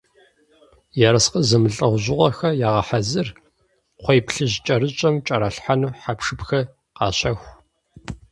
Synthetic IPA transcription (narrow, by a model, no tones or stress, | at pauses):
jaɾɐsqəzɐmɨɬʼɐʁʷʑɪʁʷɐxɐjaːʁɐħazɨr | qʷɔjpɬɨʑt͡ʃʼɐrɨt͡ʃʼɐmt͡ʃʼɐɾɐɬħanuħapʂɨpxɐ | qɑ̰ːɕɐxʷ